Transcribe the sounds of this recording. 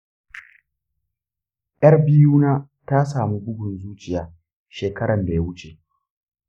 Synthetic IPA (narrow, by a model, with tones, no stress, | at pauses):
ʔjɐ˦rbɪ˦juː˦naː˦ | ta˦saː˨mi˦bʊ˦ɡʊ˨nzuː˦t͡ʃɪ˨jaː˦ | ʃeː˨kɐ˦ɽɐ˨nda˨ja˦wʊ˦t͡ʃe˨